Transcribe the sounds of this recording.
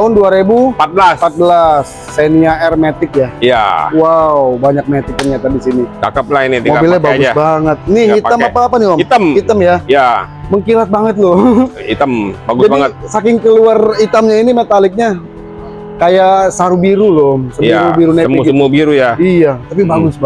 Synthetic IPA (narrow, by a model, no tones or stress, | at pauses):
t̪aʊnduaɾebupat̪̚bəlaspat̪̚bəlasːeniaɛrmet̪ɪkjaija̰waubaɲak̚met̪ɪk̚ːənɲat̪adisinit͡ʃa̰kaplahinit̪imoabilabaɡʊd͡ʒsbaŋət̪̚nɪhit̪amapaːpaniloit̪amhit̪amjaja | məŋkilat̪̚baŋət̪̚lʊit̪ambaɡd͡ʒadbaiŋətt̪̚sakɪŋkəluarit̪amɲainimet̪alɪk̚ɲa | kajasaɾubiɾulomsəmjaubiɾuneiksəmubiɾujaijat̪ap̬ibaɡʊsb